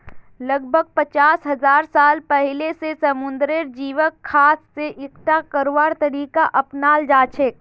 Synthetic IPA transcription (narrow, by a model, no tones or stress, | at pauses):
ləɡ̚bʱəɡ̚pət͡ʃaːsɦɐzaːɾsaːlpɛɦɪlesesɐmʊ̃nd̪ɾɪɾd͡ʒiːʋəkʰːaːsːeʔɪkʈ̪akəɾʋaːɾt̪ɐɾiːkaʔɐpnaːld͡ʒaːt͡ʃʰek̚